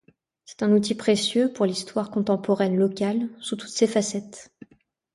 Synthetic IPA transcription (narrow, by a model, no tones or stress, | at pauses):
sɛ̥t̪ɛ̃nut̪ipχesjøpuʁlist̪waʁkɔ̃t̪ɑ̃pɔʁɛnlɔkʲalsut̪u̥t̪sefasɛt̪